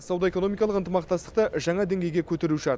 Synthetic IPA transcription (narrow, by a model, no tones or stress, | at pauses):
sɑwd̪ɑe̞ko̞no̞mijkɑlˠəqənt̪əmɑqt̪ɑst̪ə̥q̚t̪əʒɑɴɑd̪e̞ŋɡʲe̞jɡʲe̞kʲʰɵt̪e̞ɾuʃɪɑt̪